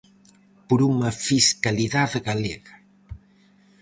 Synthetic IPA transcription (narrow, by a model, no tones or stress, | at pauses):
poɾuŋɐfiskaliðaðɡaleɣɐ